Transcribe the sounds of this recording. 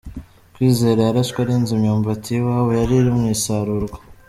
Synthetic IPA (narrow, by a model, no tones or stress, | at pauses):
kwiːze̞ːɾajaɾaskwaɾiːnzimɲoːmvatiwaːwejaɾiɾimŋiːsaɾuɾɡwḁ